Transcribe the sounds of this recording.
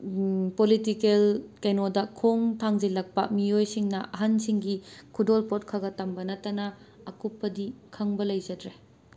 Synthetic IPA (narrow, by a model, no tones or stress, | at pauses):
politikelkenodɐkʰoŋtʰaŋzilɐk̚pɐ̰miojsiŋnɐʔɐɦɐnsiŋɡikʰudolpot̚kʰɐɡɐtːɐmbɐnɐtːɐnɐː | kupːɐdikʰɐŋbɐlɐjzɐdɾe